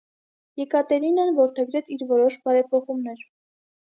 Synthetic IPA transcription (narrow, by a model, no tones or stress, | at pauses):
jɛkɑt̪ɛɾinɑnvɔɾt̪ʰɛɡɾɛt͡sʰiɾvɔɾɔʃbɑɾɛpʰɔχumnɛɾ